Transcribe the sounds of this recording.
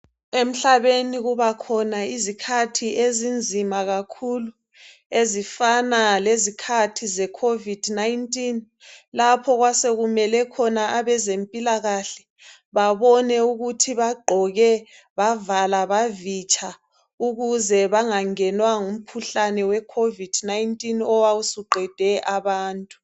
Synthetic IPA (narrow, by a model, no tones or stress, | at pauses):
em̩ɬaβeniɣuβakʰɔnaizikʰatʰiʔezind͡zʱimaɣakʰulu | ezifanalezikʰatʰizɛkʰovid̥najintʼin | lapʰɔɣwaseɣumɛlɛkʰɔnaaβɛzempʼilaɣaɬɛ | βaβɔnɛuɣutʰiβaɡ͡ǃʱɔɣɛ | βavalaβavit͡ʃʰʼa | uɣuzɛβaŋaŋɛnwaŋum̩kʰuɬanɛwɛkʰovid̥najintʼinɔwausuɡ͡ǃʱɛd̥ʱɛʔaβaːntʼu̥